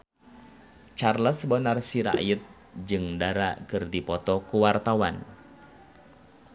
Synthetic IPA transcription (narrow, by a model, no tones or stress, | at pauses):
t͡ʃarləsbənarsiɾa̰ʔjət̪̚ | d͡ʒɨŋdaɾa̰kɨrdipɔt̪ɔkuwart̪awan